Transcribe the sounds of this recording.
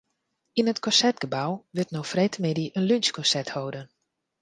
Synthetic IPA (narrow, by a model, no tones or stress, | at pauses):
inətkɔsɛtɡ̥əbawʋɪtnowfrejtəmɪdiʔənlynskɔnsɛthowdən